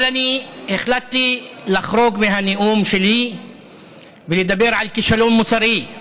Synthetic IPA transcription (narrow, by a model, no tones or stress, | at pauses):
laniʔɪxlat̪ːilaxɾoːɡmɪhanɪʔuːmʃeliː | bɪlid̪abːɪɾʕalkɪʃaluːmːʊsɑɾiː